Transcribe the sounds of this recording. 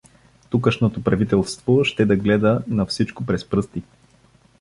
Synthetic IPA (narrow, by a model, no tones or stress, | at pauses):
t̪ukəʃnot̪opɾɐvit̪ɛlˠst̪voʃt̪ɛd̪ɐɡlɛd̪ənɐfsit͡ʃkopɾɛspɾɤst̪i